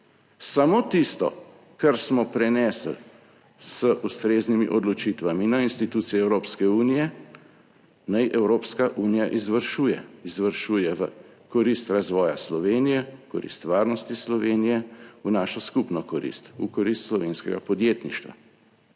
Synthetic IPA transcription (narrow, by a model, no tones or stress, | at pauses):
samoːt̪ist̪ɔ̰ | kaɾsmɔpɾɛnɛːsl | səʔust̪ɾeːznimḭʔɔd̪lɔt͡ʃit̪ʋaminainst̪it̪uːt̪sijɛɛwɾoːpskɛuːnijɛ | najʔɛwɾoːpskaʔuːnijaʔizʋəɾʃuːjɛizʋəɾʃuːjɛʋə | kɔɾist̪ɾazʋɔːjaslɔʋeːnijɛkɔɾḭst̪ʋaːɾnɔst̪islɔʋeːnijɛunaːʃɔskupnɔkɔɾḭst̪ṵkɔɾist̪slɔʋeːnskɛɡa̰pɔd̪jeːt̪niʃt̪ʋa̰